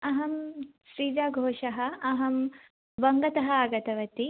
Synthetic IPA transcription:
ɐɦɐmʃɾiːd͡ʒaːɡʱoːʂɐɦɐ̆ɐɦɐm | ʋɐŋɡɐt̪ɐɦɐ̆aːɡɐt̪ɐʋɐt̪i

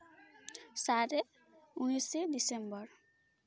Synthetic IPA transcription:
saɾe | unised̪isembʌɾ

